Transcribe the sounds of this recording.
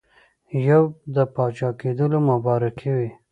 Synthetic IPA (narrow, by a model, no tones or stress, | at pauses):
jawd̪əpɑt͡ʃɑked̪əlomʊbɑɾɪkʰewi